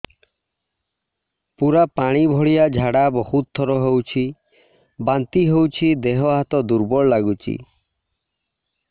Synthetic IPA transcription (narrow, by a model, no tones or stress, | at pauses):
puɾapaɽ̃ibʱɔɭijad͡ʒʱaɽabɔhut̪̚t̪ʰːɔɾɔɦewt͡ʃʰi | bant̪iɦewt͡ʃʰid̪eɦɔɦat̪ɔd̪uɾbɔɭɔlaɡut͡ʃʰḭ